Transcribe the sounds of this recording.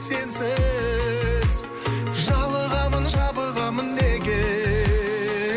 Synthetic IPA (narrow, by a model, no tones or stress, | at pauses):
se̞nsɪ | z | ʒɑlˠəʁɑmənʒɑbəʁɑmənːeɡʲɪ